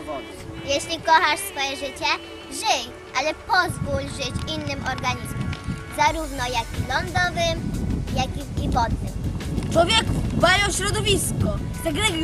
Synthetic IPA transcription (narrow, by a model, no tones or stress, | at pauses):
jɛɕlʲikɔxaʂsfɔjɛʐɘt͡ɕɛ | ʐɘj | ʔalɛpɔzvulʲʐɘt͡ɕinːɘmɔɾɡaɲizmumzaɾuvnɔjakʲilɔnd̪ɔvɘmjakiivɔd̪nɪ̰mt͡ʂwɔvʲjɛkubajɔ̃ɕɾɔd̪ɔvʲiskɔ | t̪ɛɡɾɛɡ